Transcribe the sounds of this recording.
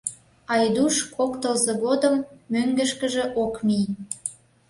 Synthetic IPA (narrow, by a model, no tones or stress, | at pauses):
ɑjd̪uʃkokt̪əlzɤ̆ɣod̪əmːøŋɡə̆ʃkə̆ʒĕʔokmij